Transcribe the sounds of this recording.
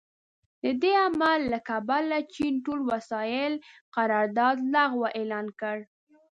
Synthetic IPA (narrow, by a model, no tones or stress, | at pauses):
d̪əd̪eamalːakabalat͡ʃinʈolwasɑjɪlqaɾɑɾd̪ɑd̪laɣwaʔelɑnkəɽ